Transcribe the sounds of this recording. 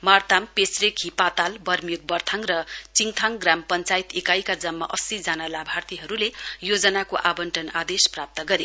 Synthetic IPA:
mart̪ampesrekʰipat̪albʌrmjik̚bʌrt̪ʰaŋrʌt͡siŋt̪ʰaŋɡrampʌnt͡sait̪ekajkad͡zʌmːʌ̰ʔʌsid͡zanalabʱart̪iɦʌɾulejod͡zʌnakoʔabʌnʈʌnad̪esprap̚t̪ʌɡʌɾe

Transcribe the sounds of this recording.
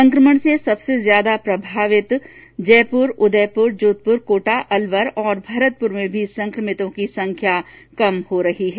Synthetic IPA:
sɐ̃ŋkɾəməɳ̃sesɐbsezjaːd̪apɾɐbʱaːʋɪt̪ | d͡ʒɛːpʊɾʊd̪ɛːpʊɾd͡ʒoːt̪̚pʊɾkoːʈaʔɐlʋəɾɔːɾbʱɐɾət̪̚pʊɾmẽbʱisɐ̃ŋkɾəmɪt̪õkisɐ̃ŋkʰjakɐmhoɾɐɦiɦɛː

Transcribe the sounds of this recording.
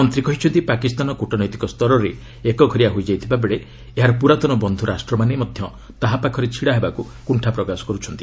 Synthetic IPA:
ɔnt̪ɾikɔɦit͡ʃʰɔnt̪ipakist̪anɔkuʈɔnɔjt̪ikɔst̪ɔɾɔɾe | ekɔɡʱɔɾiaɦojd͡ʒajt̪ʰibabeɭe | eɦaɾɔpuɾat̪ɔnɔbɔnd̪ʱuɾasʈɾɔmanemɔd̪ʱjɔ | t̪aɦapakʰɔɾet͡ʃʰiɽaɦebaku | kuɳʈʰapɾɔkasɔ̥kɔɾut͡ʃʰɔnt̪i

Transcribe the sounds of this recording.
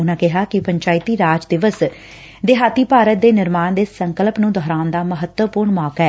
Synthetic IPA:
ʊnãːkɪɦaːkɪpəɲt͡ʃaːɪt̪iːɾaːd͡ʒd̪ɪʋəs | d̪eːɦaːt̪iːpaːɾət̪̚d̪eːnɪɾmaːnd̪eːsəŋkəlpnũːd̪ɔːɾaːʊnd̪aːməɦət̪wəpʊːɾɳmɔːkɛː

